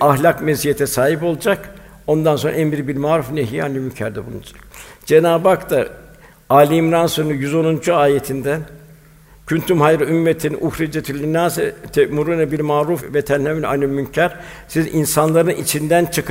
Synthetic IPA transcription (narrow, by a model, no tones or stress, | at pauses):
aɦlʲakmezijet̪ʰɛsaːɦipo̞lˠad͡ʒak | o̞nd̪anso̞nɾa̰ɛmiɾibiɾmaːɾufneɦiːanimyɲcʰæɾd̪ibunṵd͡ʒe̞naːbakt̪a | aːlʲimɾansɯnujyzo̞nund͡ʒuaːjet̪ʰind̪æn | cʰynt̪ʰymɦajɾɯymːet̪ʰinʔuhɾid͡ʒet̪ʰylʲinaːzɛt̪ʰɛʔmuɾunɛbiɾmaːɾufvɛt̪ʰænhɛmina̰nɯmyncʰæɾ̥ | sizinsanlˠaɾɯnit͡ʃʰind̪ænt͡ʃʰɯk